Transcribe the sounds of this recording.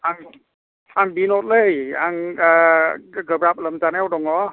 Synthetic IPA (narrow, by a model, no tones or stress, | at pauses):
ʔaŋ | aŋbinot̪̚ləjaŋaɡəpɾap̚ləmtanɛwdɔŋɔ